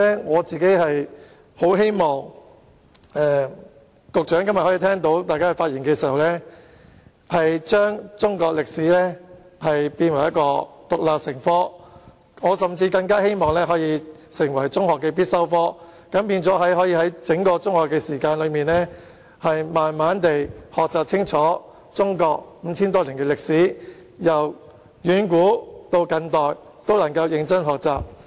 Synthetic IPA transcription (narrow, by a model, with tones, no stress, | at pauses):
ɛ˥ŋɔː˨˧t͡siː˨ke˨˥jɦɐ˨j | ho˨˥wɦe˥jmɔː˨ŋ | ɛː˨ | kʊ˨k̚t͡ʃœː˨˥ŋkɐ˥mɐ˨˩hɔ˨˥iː˧t̪ʰɛː˥ŋt̪o˨˥wt̪aː˨jkaː˥ɐ˨˩faː˧t̚iː˨˩nkɛː˧siː˨˩hɐ˨˩wlɛː˥ | hɐ˨jt͡ʃœː˥ŋt͡sʊ˥ŋkɔː˧k̚lɪ˨k̚siː˨˥lɛː˥ | hɐ˨jpiː˧nwɐ˨˩jɐ˥kɔː˧t̪ʊ˨k̚laː˨p̚sɪ˨˩ŋfɔː˥ | ŋɔː˨˧sɐ˨˩mt͡siː˧kɐ˧ŋkaː˥he˥jmɔː˨ŋlɛː˥ɦɔː˨˥jiː˨˧sɪ˨˩ŋwɐ˨˩jt͡sʊ˥ŋhɔː˨kːɛː˧p̬iː˥t̚sɐ˥wfɔː˥ | kɐ˨˥mpiː˧nt͡sɔː˨˥ɦɐ˨˥jɦɔː˨˥jiː˧hɐ˨˥jt͡sɪ˨˥ŋkɔː˧t͡sʊ˥ŋhɔː˨kːɛː˧siː˨˩kaː˧nlɵ˨˧miː˨nlɛ˥ | hɐ˨jmaː˨nmaː˨˥nt̪e˨jhɔː˨k̚t͡saː˨p̚t͡sʰɪ˥ŋt͡sʰɔː˨˥ | t͡sʊ˥ŋkɔː˧k̚m̩˨˧t͡sʰiː˥nt̪̬ɔː˥li˨˩ŋkɛː˧lɪ˨k̚siː˨˥ | jɐ˨˩w | jyː˨˥nkuː˨˥t̪o˧wkɐ˧nt̪ɔː˨j | t̪o˥wlɐ˨˩ŋkɐ˧wjɪ˨˧ŋt͡sɐ˥nɦɔː˨k̚t͡saː˨p̚